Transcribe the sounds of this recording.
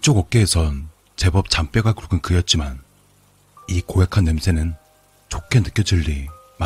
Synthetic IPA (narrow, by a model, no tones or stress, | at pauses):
t͡ɕ͈oɡʌk̚k͈eːsʰʌn | t͡ɕe̞bʌp̚t͡ɕamp͈jʌɡakɾuɡɯnkɯjʌt̚t͡ɕ͈iman | ikoɦe̞kʰanːemsʰe̞nɯn | t͡ɕokʰe̞nɯk͈jʌd͡ʑɯʎːi | ma